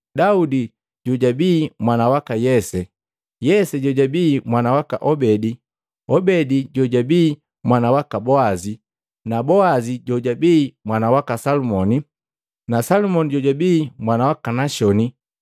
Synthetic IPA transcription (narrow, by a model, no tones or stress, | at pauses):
daudi | ɟɔɟabiːmwanawakajɛsɛ | jɛsɛɟɔɟabiːmwanawaka̰ʔɔbɛdi | ɔbɛdiɟɔɟabiː | mwanawakabɔazi | nabɔaziɟɔɟabiːmwanawakasalumɔni | nasalumɔniɟɔɟabiːmwanawakanaʃɔni